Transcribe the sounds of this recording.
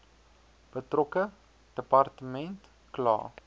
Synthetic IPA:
b̥ətrɔkə | d̥əpɐrtəmɛnt | klɑ̰ː

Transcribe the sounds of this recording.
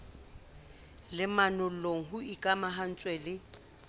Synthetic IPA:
lɪmanʊloŋ̩ɦʊikʼamaɦan̩t͡sʼwɛlɪ

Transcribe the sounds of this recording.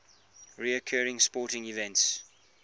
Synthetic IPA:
ɹiəkʰɜːɹɪ̃ŋspɔːˑtɪ̃ŋivɛ̃nts

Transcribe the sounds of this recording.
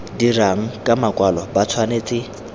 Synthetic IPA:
diraŋ̩kʼamakʼwalɔbat͡sʰwaneːt͡sʼɪ

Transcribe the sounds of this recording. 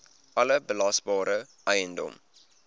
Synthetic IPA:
ʔɐləbəlɐsbɑːɾə | ʔɛjəndɔ̰m

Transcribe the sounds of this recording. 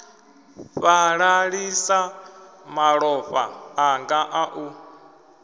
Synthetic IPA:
ɸaɺaɺisamaɺɔɸa̰ːŋɡaʔaʔu

